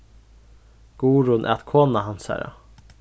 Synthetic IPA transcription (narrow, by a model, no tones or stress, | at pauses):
ɡ̥uːɾʊnʔæ̰ːt̪kʰoːnɑɦɑnsæ̰ɾɑ̰